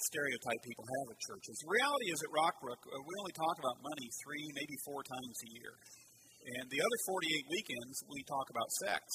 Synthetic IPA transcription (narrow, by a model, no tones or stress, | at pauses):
stɛɹiɨʊtʰaɪpʰipl̩ˠəvɨt͡ʃʰɜ̰˞t͡ʃɨzðəɹiælˠəɾiɨzɨʔ̚ɹɑk̚ɹʊkwiõʊ̃nlitʰɔkəbaʊt̚mʌñiθɹimeɪbifɔɹtʰãɪ̃mzɨjɪ̰ɹ | ʔɨ̃nðiʌðə˞fɔɹɾieɪt̚wikɛ̃ndzwitʰɔkəbaʊtsɛ̰k̚s